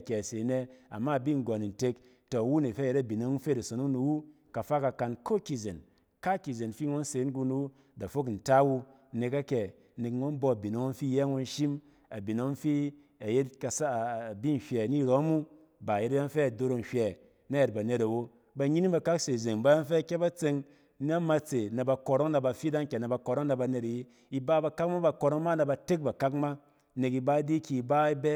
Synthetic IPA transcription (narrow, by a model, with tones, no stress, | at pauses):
kʲe˨se˨ne˧a̰˨mːa˦˨bi˦ŋ˨ɡɔ˨ni˨n˨te˧k | to˨wu˦ne˨fe˦˨je˦ɾa˦˨bi˨no˨˦ŋ˦n̩˦fe˦da˨so˨nu˦nu˧wu˦ | ka˨fa˦ka˧ka˧nko˦ki˨ze˨n | ka˦ki˨ze˨n˨fi˦ŋo˦n̩˦se˨˦n˦ɡu˧nu˨wu | da˨fo˦kn̩˨ta˦wu˧˦ | ne˧ka˦kʲɛ˨ | ne˨kŋo˦n˦bo˧a˨bi˨no˨˦ŋ̩˦fi˦je˦ŋo˧n̩˦ʃi˦m | a˨bi˨no˦ŋ˦fi˦ | a˨je˦tka˧˨sa˦˨bi˦n̩˨hʲʷɛ˨ni˦˨ɾo˨˦mu˦ | ba˨je˦ta˦ja˦n˦fe˦a˨do˧ɾo˧n̩˨hʲʷɛ˨ | na˦je˨t̚ba˨ne˨ta˨wo˦ | ba˧ɲi˦ni˦ba˧ka˦kse˨ze˨ŋba˦ja˦n˦fe˦˨kʲe˦ba˦t͡se˧ŋ˦ | na˦ma˧t͡se˨na˨ba˧ko˧ɾo˦ŋna˧ba˧fi˦da˦ŋ˦kʲe˨na˨ba˧ko˨ɾo˦ŋna˧ba˧ne˨ta˨ji˦ | i˦ba˦ba˧ka˦kma˦ba˧ko˧ɾo˦ŋma˦na˧ba˧te˦k̚ba˨ka˦kma˦ | ne˨ki˧ba˦di˦kʲi˨i˨ba˦i˦bɛ˦